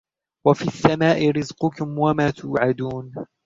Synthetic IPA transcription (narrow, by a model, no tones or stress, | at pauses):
wafiːasːamaːʔɪɾɪzqʊkʊmwamaːt̪ʰuːʕad̪uːn